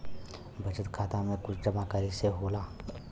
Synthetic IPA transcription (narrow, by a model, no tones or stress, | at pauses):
bʱɐt͡ʃət̪kʰaːt̪amẽkʊt͡ʃʰd͡ʒɐmaːkaːɾiseɦoːlaː